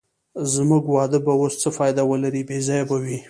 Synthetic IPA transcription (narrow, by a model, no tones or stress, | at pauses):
zmuɡwɑd̪əbawost͡səfɑjd̪awəlaɾibezɑjabawi